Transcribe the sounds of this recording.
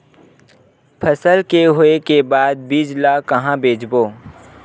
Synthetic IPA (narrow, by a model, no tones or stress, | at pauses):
pʰəsəlkeɦoekebaːd̪̚biːd͡ʒlakɐɦãbeːd͡ʒboː